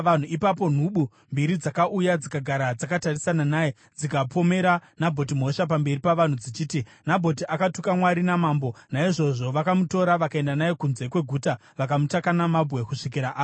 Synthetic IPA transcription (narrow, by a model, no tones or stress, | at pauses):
an̤uipapo̞n̤uɓu | mbiɾid͡zakaʔujad͡zikaɡʱaɾad͡zakatarisananaːje | d͡zikapʰo̞me̞ɾanabʱo̞t̬im̤o̞ʃap̬ambe̞ripaʋan̤ud͡zit͡ʃiːti | nabʱo̞t̬iʔakatukamwaɾinamaːmbo̞naiʐo̞ʐo̞ʋakamuto̞ɾaʋakae̞ndanajekunze̞kwe̞ɡʱuːta | ʋakamutakanamabʱɣe̞kuʂik̬iɾaʔaː